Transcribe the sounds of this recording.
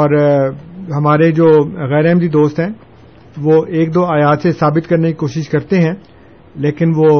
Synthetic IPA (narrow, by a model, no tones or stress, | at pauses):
ɔːɾ | ɦɐmaːɾed͡ʒoːɣɛːɾɛɦmd̪id̪oːst̪ɦɛ̃ː | ʋoːʔeːk̚d̪oːaːjaːt̪sesaːbɪt̪kɐɾnekikoːʃɪʃkɐɾt̪eɦɛ̃ː | leːkɪnʋoː